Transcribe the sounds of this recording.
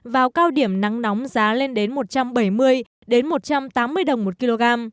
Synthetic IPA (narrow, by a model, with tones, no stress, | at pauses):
vaː˨˩wkaː˧wɗi˧˩əmna˨˦ŋnɔ˨˦wmzaː˨˦le˧nɗe˨˦nmo˨˩t̚t͡ɕa˧mɓə˧˩jmɨ˧əj | ɗe˨˦nmo˨˩t̚t͡ɕa˧mt̪aː˨˦mːɨ˧əjɗə˨˩wŋ͡mmo˨˩t̚ki˧lo˧ɣaː˧m